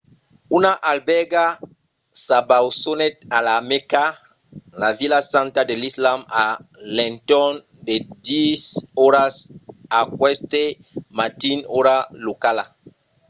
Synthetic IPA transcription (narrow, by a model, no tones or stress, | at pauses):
unaʔalbɛɡa | sabawsonɛt̪alameka | lavilasãnt̪adelislamalɛ̃ntɔn | dedisɔɾasakwɛst̪e | mat̪inɔɾalokala